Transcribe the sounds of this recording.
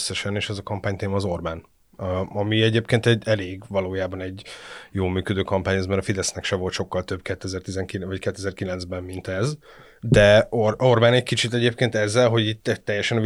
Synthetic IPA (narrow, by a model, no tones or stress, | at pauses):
sːɛʃɛneːʃɛzɒkɒmpaːɲt̪eːmɒːzo̞rbaːn | ɒmiɛɟeːpkeːnt̪ɛɟɛleːɡvɒloːjaːbɒnɛɟːjoːlmyːkød̪øːkɒmpaːɲɛzmɛɾɒfid̪ɛsnɛkʃɛvo̞lt̪ʃo̞kːɒlt̪ø̞bkɛt̪ːɛzɛrt̪izɛŋkivɒckɛt̪ːɛzɛrkilɛnzbɛmːint̪ɛz | d̪ɛoro̞rbaːnɛɟkit͡ʃit̪ɛɟeːp̚keːnt̪ɛzːɛlɦo̞ɟit̪ːɛt̪ːɛjːɛʃɛn